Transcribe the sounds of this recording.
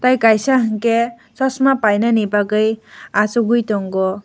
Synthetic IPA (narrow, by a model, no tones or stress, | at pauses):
t̪ajkajsaɦʌŋke | sʌsmapajnʌnepakʌjat͡suɡujt̪oŋɡɔ